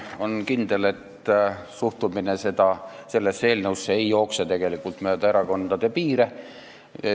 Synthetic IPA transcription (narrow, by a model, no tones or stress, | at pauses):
o̞nkind̪̥e̞le̞t̪ | suht̪uminese̞d̪̥ɑ | se̞lːesːe̞ːlnəwsːeejjo̞ːkset̪e̞ɡ̥e̞likːult̪møːd̪ɑeɾɑko̞nd̪̥ɑd̪̥e̞piːɾe̞ | e